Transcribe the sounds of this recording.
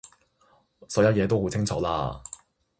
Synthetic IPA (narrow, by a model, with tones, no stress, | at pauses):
sɔ˨˧wjɐ˨˧˥jɛː˨˧t̪̬o˥who˨˥wt͡sʰɪ˥ŋt͡sʰɔː˨˧˥la̰ː˧